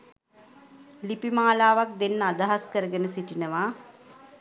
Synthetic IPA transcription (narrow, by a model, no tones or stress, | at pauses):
lipimaːlaːʋak̚d̪enːəad̪aɦaskəɾəɡənəsiʈinəʋa